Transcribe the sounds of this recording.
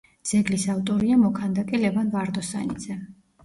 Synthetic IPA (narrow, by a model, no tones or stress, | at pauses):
d̪z̥ɛɡlisaft̪ʼɔɾiamɔkʰand̪akʼilɛvanvaɾd̪ɔsa̰nid̪z̥ɛ